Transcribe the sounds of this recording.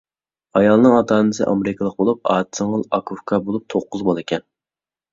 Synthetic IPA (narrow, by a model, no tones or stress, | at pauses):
ɑjɑlˠnɨŋɑt̪ʰɑːnɨsɨ̰ʔɑ̰meɾɪkʰəlˠəq̚bolˠup̚ɑːt̪səŋəlˠɑkʰufkʰɑbolˠup̚t̪ʰoqːʊzbɑlˠekʲʰɛn